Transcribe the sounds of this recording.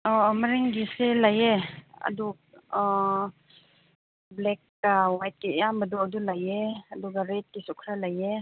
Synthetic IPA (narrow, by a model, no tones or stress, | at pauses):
ɔmaɾiŋɡiselajeɐ̰du | blɛkːawajt̚kijambɐduɐdulajeɐduɡaɾet̚kisukʰɾalaje